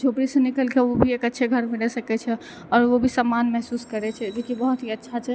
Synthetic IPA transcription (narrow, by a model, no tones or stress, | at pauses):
d͡ʒʱopɾisə̃nikəlkeobʱiekətːʃʰeɡʱəɾmeɽɛsəkɛt͡ʃʰɛ | ɔːɾʋobʱisəmːanmɛɦsuskəɾɛt͡ʃʰɛd̪ekibəɦut̪ɦiətːʃʰat͡ʃʰɛ